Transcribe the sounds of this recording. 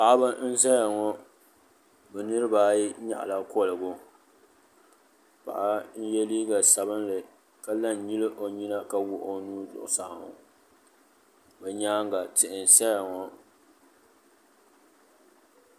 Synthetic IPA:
pa˨ʔba˦n̩˦za˦ja˨ŋɔ˦ | bɛ˨nɨ˦ɾɨ˦baː˦ji˦ɲa̰˦ʔla˦kɔ˦˨lɨ˨ɡʊ˦ | pa̰˨ʔa˦n̩˦jɛ˦liː˦ɡa˨sa˨bɨ˦nlɨ˨ | ka˦la˦˨n˨ɲi˦lɨ˦ʔo˨ɲi˦na˦ka˨wʊ˦ʔo˦nuː˦dʊ̰˨ʔʊ˨sa˨ŋʊ̰˨ | bɛ˨ɲaː˦ŋɡa˨tɪ˨ʔɪ˨n˨sa˦ja˨ŋɔ˨

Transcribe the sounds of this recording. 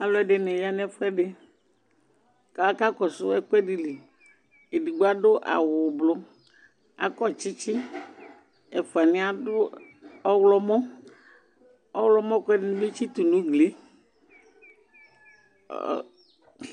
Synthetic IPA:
a˦lɔ˦ɛ˦ɖe˨nɛ˨ja˦nɛ˦fɛ˦ɖe˨ | ka˨˦ka˦kɔ˨sʊ˦ɛ˦kɛ˦ɖi˨le˨ | e˨di˨ɡ͡bo˦a˦ɖʊ˦ʔa̰˨wʊ˨blo˦ | a̰˨kɔ˦˨t͡ʃɪ˦t͡ʃɪ˦ | ɛ˨fu˨a˨nɪ̃˦a˦dʊ˦ | ɔ˦wlɔ˦mɔ̃˦ | ɔ˦wlɔ˦mɔ̃˦kɛ˦dɪ˦nĩ˦be˦t͡ʃi˦t̪u˨nũ˦ɡle˦˨

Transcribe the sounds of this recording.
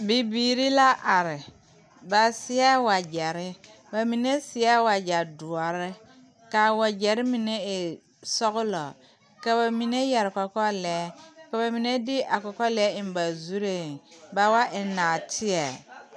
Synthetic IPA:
bi˨biː˨ɾi˦la˦ʔa˨ɾɪ˨ | ba˨sɪ˦a˦wa˨d͡ʒɛ˨ɾɪ˦ | ba˨mi˨ne˦sɪ˨a˦wa˨d͡ʒa˨du˨ɔ˨ɾɪ˦ | ka˨wa˨d͡ʒɛ˨ɾɪ˦mi˨ne˦ɪ˨ | sɔ˦ɣʊ˦lɔ̰˨ | ka˨ba˨mi˨ne˦jɛ˨ɾɪ˨kɔ˨kɔ˦lɛː˨˦ka˨ba˨mi˨ne˦dɪ˦ʔa˨kɔ˨kɔ˦lɛ˨˦ɪ˨m˦ba˨zu˦ɾe˦˨ba˨wa˦ʔɪ˨naː˨tʰɪ˦ɛ˨

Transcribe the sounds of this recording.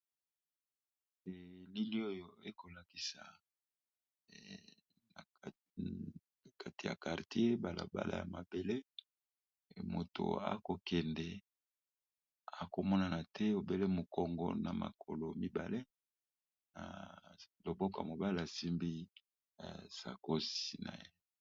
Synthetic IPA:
ɛ˨li˦li˦o˦jo˨e˦ko˨la˨ki˦sa˨ | a˨˦˨ | ka˦ti˨ja̰˨ka˨ʁti˦e˦ba˨la̰˨ba̰˦la̰˨ja̰˨ma˨be˨le˦˨ | mo̰˨tʰo̰˨a̰˨ko˨kɛ˨ndɛ˨ | a˨ko˨mɔ˦na˨na˨tʰɛ˦o˨be˦le˦mo˨kɔ˨ŋɡɔ̰˦na˨ma̰˨kʰo˨lo˨mi˦ba̰˨le˦ | na̰˨lo˨bɔ˦ka̰˨mo˨ba˦le˨a˨si˦mbḭ˦˨ | sa˨ko˦si˨na̰˨je˦

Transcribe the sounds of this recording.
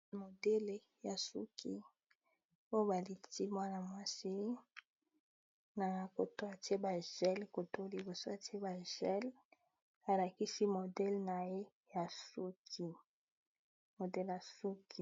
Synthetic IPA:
mo˨dɛ˦le˨ | ja˨sṵ˦kʰi˦ | o˦jo˦ba˨li˨ti˦mwa˦na˨mwa˦si˦ | na˨ko˨to˦a˨te˦ba˨ʒɛ˦lko˨to˦li˨bo˨so˦a˨ti˦e˦ba˨ʒɛ˦l | a˨la˨ki˦si˦mo˨dɛ˦lna˨je˦ | ja˨su˦kʰi˦ | mo˨dɛ˦la˨su˦kʰi˦

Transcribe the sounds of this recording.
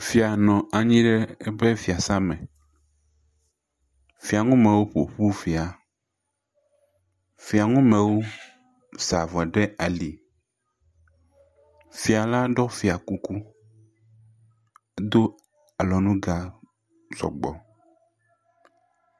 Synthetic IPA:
fi˨a˨nɔ̃˨a˨ɲĩ˦ɖɛ˦ɛ˦bɛ˦fi˨a˨sa˦mɛ̃˨ | fi˨a˨ŋũ˦mẽ˨wo˦ɸo̰˨ɸu˦fi˨a˨ | fi˨a˨ŋũ˦mẽ˨wo˦ | sa˨vɔ˨ɛ˨ɖɛ˦a˨li˨ | fi˨a˨la˦ɖɔ˦fi˨a˨ku˦ku˦ | e˦d̪o˦ | a˨lɔ˨nũ˦ɡa˨ | zɔ̰˨ɡ͡bɔ˨

